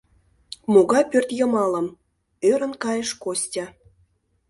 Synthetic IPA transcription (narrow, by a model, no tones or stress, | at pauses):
moɣɑjpørt̪jə̆mɑləm | øɾə̆nkɑjəʃkosʲtʲɑ